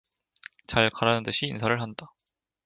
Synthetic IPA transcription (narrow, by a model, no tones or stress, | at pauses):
t͡ɕaɭkaɾanɯnt͈ɯɕʰiːnsʰaɾɯɭɦanda